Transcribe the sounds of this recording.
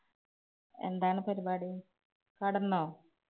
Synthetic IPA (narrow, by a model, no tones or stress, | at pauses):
e̞̰nd̪aːɳɨpɐɾibaːɽi | kɐɽɐnːoː